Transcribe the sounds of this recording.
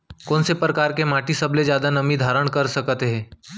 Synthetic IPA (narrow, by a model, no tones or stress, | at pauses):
kɔ̃ːnsepɾəkaːɾkemaːʈisɐbled͡ʒjaːd̪anɐmid̪ʱaːɾəɽ̃kɐɾsɐkt̪eɦɛ̃ː